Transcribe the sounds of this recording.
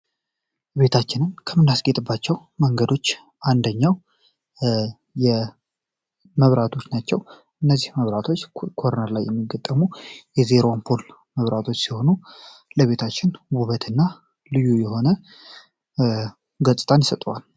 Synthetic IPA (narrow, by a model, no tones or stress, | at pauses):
be̞t̪ʰat͡ʃːɪnɨnkʰəmɨnːasɡet̪ʼɨbːat͡ʃːɛw | məŋɡəd̪o̞t͡ʃː | ʔand̪əɲːaw | jɛ | məβɾat̪ʰosnat͡ʃːɛw | ʔɨnːəzːihməβɾat̪ʰo̞t͡ʃːkʰo̞ɾnəɾlajːɛmːiɡət̪ʼːəmujɛzeɾompʰol | məβɾat̪ʰo̞t͡ʃːsiho̞nuləβe̞t̪ʰat͡ʃːɪnbuβət̪ʰɨnːa | lɨjujɛho̞nə | ɡəsʼɨ̥t̪ʼanjsət̪ʼwal